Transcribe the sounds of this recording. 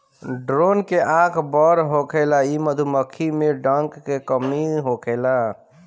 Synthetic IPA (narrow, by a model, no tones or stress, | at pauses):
ɖɾonkeʔakʰbəɾɦokʰelaiməd̪ʱuməkʰːimeɖəŋkːekəmiɦokʰela